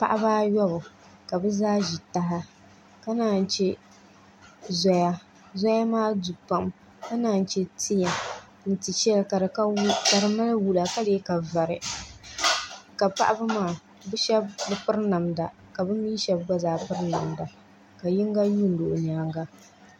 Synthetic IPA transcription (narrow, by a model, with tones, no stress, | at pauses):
pa˦ʔa˦baː˦jɔ˦bʊ˨ | ka˨bɨ˦zaː˦ʒi˨ta˦ɦa˦ | ka˦naː˦˨n˨t͡ʃɛ˦ | zɔ˦ja˦ | zɔ˦ja˦maː˦du˨pa˨m | ka˦naː˨n˨t͡ʃɛ˦tʰi˦ja˨ | n̩˦˨ti˨t͡ʃɛ˦lka˨ɾka˦ka˨ɾɨ˨ma˦la˦wu˦la˨ka˦de˨˦ka˨va˨ɾɪ˨ | ka˨pa̰˦ʔa˦ba˦maː˦˨ | bɨ˦ʃɛ˦bbɨ˦pɨ˦ɾna˨mda˨ | ka˨bɨ˦miː˦ʃɛ˦bɡɔ˦zaː˨pɨ˦ɾna˨mda˨ | ka˨ji˦ŋ˦ɡa˦ju˦n̩˦do˨ʔʊ˨ɲaː˨ŋɡa˦